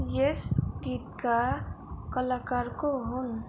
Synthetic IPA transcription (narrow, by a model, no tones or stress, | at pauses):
jesɡit̪̚ka | kəlakaɾkoɦun